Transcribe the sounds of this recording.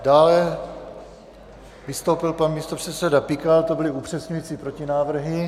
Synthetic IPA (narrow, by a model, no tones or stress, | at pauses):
daːlɛ | vɪst̪o̞wpɪlpanmiːst̪o̞pr̥ɛt̪sɛdapɪkalt̪o̞bɪlɪupr̝̥ɛsɲujiːt͡sipɾo̞cɪnaːvr̩ɦɪ